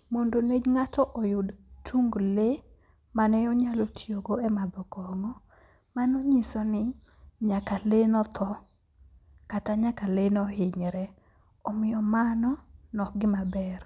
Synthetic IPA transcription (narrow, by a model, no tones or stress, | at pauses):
mondoned͡ʒŋatɔʔɔjʊdtʰuŋɡle | manɛɔɲalotjoɡoɛmad̪ɔkɔŋɔ | manoɲisɔnɪ | ɲakalenɔt̪ʰɔ | kataɲakalenɔhɪɲɾɛ | ɔmɪjɔmanɔnɔk̚ɡɪmabɛr